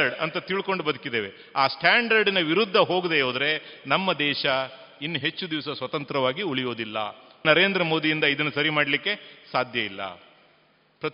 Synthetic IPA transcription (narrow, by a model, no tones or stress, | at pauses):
ɐɾɖɐ̰nt̪ɐt̪iɭko̞ɳɖubɐd̪ukid̪e̞ːʋe̞ | aːsʈʰaːɳɖɐɾɖinɐʋiɾud̪ʱːɐɦo̞ːɡd̪eoːd̪ɾe̞nɐmːɐd̪ɛːʃɐ | inːuɦe̞t͡ʃːud̪iʋsɐsʋɐt̪ɐnt̪ɾɐʋaːɡiuɭijo̞ːd̪ilːɐ̰nɐɾe̞ːnd̪ɾɐmo̞ːd̪ijind̪ɐid̪ɐnːusɐɾimaːɽɐlikːe̞saːd̪ʱjɐilːɐ̰ | pɾɐ